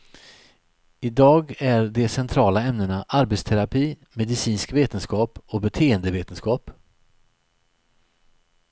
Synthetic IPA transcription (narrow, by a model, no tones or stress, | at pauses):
ɪd̪ɑːɡæɾɖɛsɛnt̪ʰɾɑːlaɛmnəɳaʔaɾbɛt̪st̪ʰɛɾapʰiː | mɛd̪ɪsiːnskveːt̪ənskɑːpɔbɛt̪ʰeːənd̪əveːt̪ənskɑːp